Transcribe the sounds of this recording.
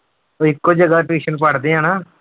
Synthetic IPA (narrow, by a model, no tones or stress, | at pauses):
oːɪkːoːd͡ʒəɡaːpeːʃənpəɽd̪eːãːnaː